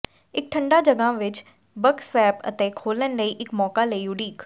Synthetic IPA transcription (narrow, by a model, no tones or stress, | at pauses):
ɪk̚ʈʰəɳɖaːd͡ʒəɡãːʋɪt͡ʃ | bəksʋɛːpə̰t̪ẽːkʰoːlənləiːʔɪkmɔːkaːləiːʊɖiːk